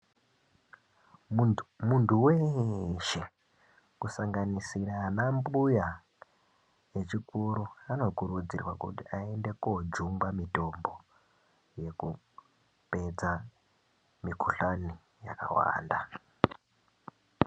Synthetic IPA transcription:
muntʰuweʃe̞ | kusaŋɡanisiranambuja | je̞t͡ʃikuɾuano̞kuɾud͡zirwakṵtiae̞nde̞kod͡ʒumbamito̞mbo̞ | je̞ku | pe̞d͡za | mikuɬani | ja̰ka̰wa̰ːnda

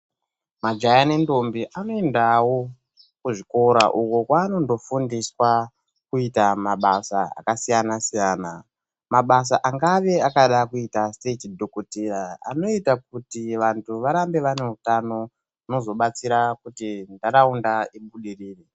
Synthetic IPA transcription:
mad͡ʒajane̞ndo̞mbiʔano̞endawo̞ | kuʐiko̞ɾaʔukukwaːno̞ndo̞fundiswa | kuitamaɓasaa̰kasijanasijaːna | maɓas̬aʔaŋɡaʋe̞akaɗakuitastetdʱokotiɾaa̰no̞itak̚utiʋantʰuʋaɾambe̞ʋane̞ɦutano̞ | uno̞zo̞ɓat͡siɾakutindaɾaundaiɓuɗiriːre

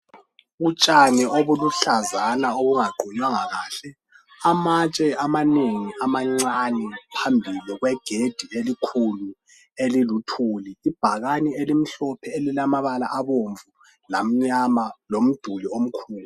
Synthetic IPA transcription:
ɣut͡ʃʼanɛʔoβuluɬazanaoɣuŋaɡ͡ǃʱuɲwaŋaɣaːɬɛ | amat͡ʃʼɛamaneŋiamaŋ͡ǀanɛpʰambʱiliɣwɛɡ̥ʱed̥ʱielikʰulu | elilutʰuːliːb̥ʱaɣanielim̩ɬɔpʰɛelilamaβala̰ʔaβoɱvu | lam̩ɲamalom̩d̥ʱuliom̩kʰuːlu

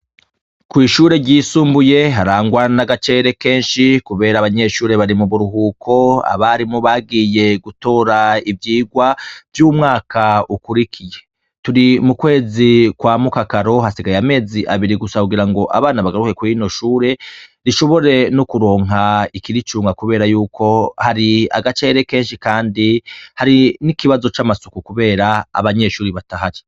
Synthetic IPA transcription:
kwiːʃuːɾe̞ɟiːsuːmbuje̞ɦaɾaːŋɡwanaɡat͡ʃe̞ːɾe̞ke̞ːnʃikuβe̞ːɾaβaɲe̞ʃuːɾe̞βaɾimuβuɾuɦukʰo̞a̰βaɾimuβaɡije̞ɡuto̞ːɾaivjiːɡwavjuːmŋaːkaukuɾikʰije̞ | tuɾimukwe̞ːzikwaːmukakaɾo̞hasiɡajeame̞ːziʔaβiɾiɡusakuɡiɾaŋɡo̞ʔa̰βaːnaβaɡaɾuke̞kuino̞ʃuːɾe̞ɾiʃo̞βo̞ɾe̞nokuɾo̞ːŋɦaikiɾit͡ʃuːŋɡakuβe̞ːɾajuːkʰo̞haɾia̰ɡat͡ʃe̞ːɾe̞ke̞ːnʃikaːndihaɾinikiβazo̞t͡ʃamasukukuβe̞ːɾaa̰βaɲe̞ʃuːɾiβataɦaɾi

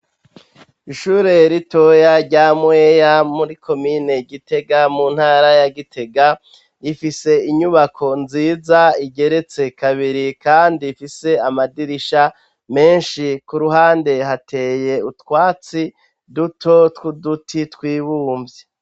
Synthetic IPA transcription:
iʃuːɾe̞ɾito̞jaɾɟaːmweːjamuɾikʰo̞mine̞ɡite̞ɡamun̥haːɾajaɡitʰe̞ɡa | ifise̞iɲuβakʰo̞nziːzaiɟe̞ɾe̞t͡se̞kaβiɾikaːndifise̞amadiɾiʃa | me̞ːnʃikuɾuɦaːnde̞ɦate̞je̞utkwaːt͡si | dutʰo̞tkudutʰitkwiːβuːmvje

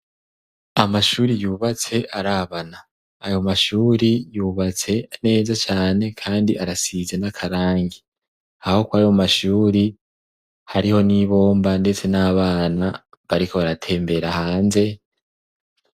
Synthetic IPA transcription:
amaʃuːɾijuːβat͡se̞ʔaɾaːβanaː | jo̞maʃuːɾijuːβat͡se̞ne̞ːzat͡ʃaːne̞kʰaːndiʔaɾasize̞nakʰaɾaːŋɡi | aho̞kwajo̞maʃuːɾi | haɾiho̞niβo̞ːmbande̞t͡se̞naːβaːna | βaɾiko̞βaɾatʰe̞ːmbe̞ɾahaːnze̞

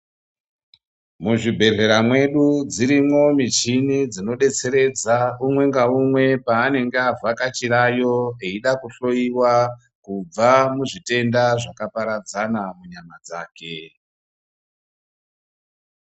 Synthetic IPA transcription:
muʐibʱe̞ɮe̞ɾamwe̞ɗud͡ziɾimwo̞mit͡ʃinid͡zino̞ɗe̞t͡se̞ɾe̞d͡zaumwe̞ŋɡaumwe̞paːne̞ŋɡeavʱakat͡ʃiɾajo̞eiɗakuɬo̞iwa | kub͡vamuʐite̞ndaʐakapaɾad͡zanamuɲamad͡za̰ːke̞

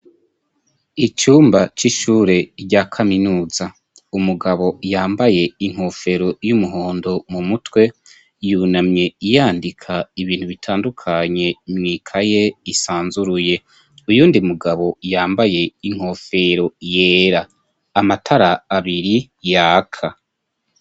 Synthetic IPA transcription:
it͡ʃuːmbat͡ʃiʃuːɾe̞ɾɟakʰaminuːza | umuɡaβo̞jaːmbaje̞iŋ̥ho̞ːfe̞ɾo̞jumuɦo̞ːndo̞mumutwe̞ | juːnamɲe̞ijaːndikʰaiβiːn̥huβitʰaːndukʰaɲe̞mŋiːkʰaje̞isaːnzuɾuje̞ | ujuːndiumuɡaβo̞jaːmbaje̞iŋ̥ho̞ːfe̞ɾo̞jeːɾaː | matʰaɾaːβiɾi | jakʰa

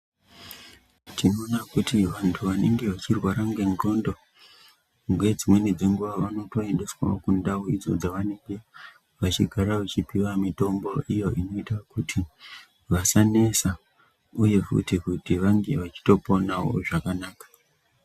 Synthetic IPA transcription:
tino̞ːnakutiʋantʰuʋane̞̰ŋɡe̞ʋat͡ʃirwaɾaŋɡe̞nɡo̞ːndo̞ | ŋɡwe̞d͡zimwe̞nid͡ze̞ŋɡuʋaʋano̞to̞e̞nde̞swa̰okundawoid͡zo̰d͡zaʋane̞ŋɡe̞ | ʋat͡ʃḭɡʱaɾaʋat͡ʃipiwamito̞mbo̞ʔijo̞ino̞itakutʰi | ʋasane̞sa | uje̞fṵtikutiʋaŋɡe̞ʋat͡ʃi̥to̞po̞nawo̞̰ʐakanaːkḁ

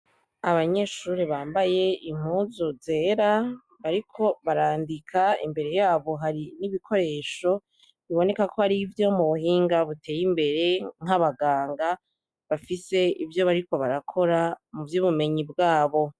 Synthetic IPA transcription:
aβaɲe̞ʃuɾiβaːmbaje̞im̥huzuze̞ɾa | βaɾikʰo̞βaɾaːndikʰaḭmbe̞ɾe̞jaːβo̞ɦaɾiniβikʰo̞ɾe̞ːʃo̞ | iβo̞ne̞kakohaɾivjo̞muβuɦiːŋɡaβute̞ːjimbe̞ɾe̞ŋ̥aβaɡaːŋɡa | βafise̞ivjo̞βaɾiko̞βaɾakʰo̞ɾamuvjuβume̞ɲibɡaːβo̞

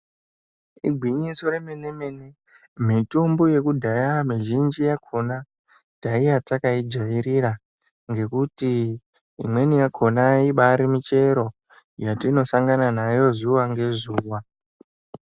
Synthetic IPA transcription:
ḭɡʱwiɲiso̞ɾemenemene | mito̞mbojekudʱajamiʒind͡ʒijakʰo̞na | taijat͡sakaid͡ʒaʋiɾiɾa | ŋɡe̞kutḭː | mwe̞nijakʰo̞naiɓaɾimit͡ʃe̞ɾo̞ | jatino̞saŋɡananajo̞zuwaŋɡe̞zuːwa

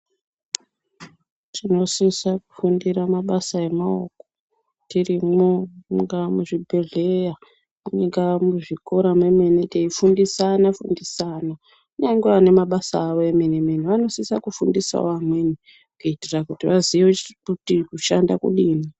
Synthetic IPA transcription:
tino̞siisaku̥fundiramaɓasae̞mao̰ko | tirimoŋɡamuʐibʱe̞ɮe̞ja | muɲiɡamuʐiko̞ɾamweme̞neteifundisanafundisana | neiŋɡeane̞maɓasaːʋoemenemeniʋano̞siisa̰kufundisa̰oamwe̞ni | kuitirakutiʋazioutikuʃandakṵɗiːni

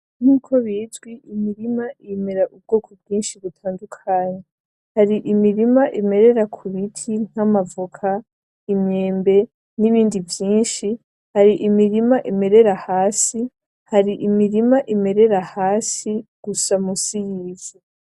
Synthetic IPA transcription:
n̥uːkʰo̞βiːzɡwiʔimiɾimaʔime̞ɾaʔub̚ɡ̥oːkʰob̚ɡiːnʃiβutʰaːndukʰaːɲa | haɾiʔimiɾimaʔime̞ɾe̞ɾakʰuβitʰiŋ̥amavukʰa | imɲe̞ːmbe̞ | niβiːndivjiːnʃi | haɾiʔimiɾimaʔime̞ɾe̞ɾahaːsi | haɾiʔimiɾimaʔime̞ɾe̞ɾahaːsiɡ̥usamusijiːz̥i

